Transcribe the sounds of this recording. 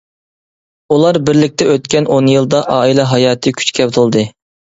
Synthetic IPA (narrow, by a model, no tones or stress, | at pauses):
ulˠɑɾbɪɾlɪk̚ʲt̪ʰɛøt̪̚kʲɛnonjɨlˠd̪ɑʔɑːilˠɛɦɑjɑːt̪ʰɨkʲʰy̥t͡ʃkʲʰɛpt̪ʰolˠd̪ɨ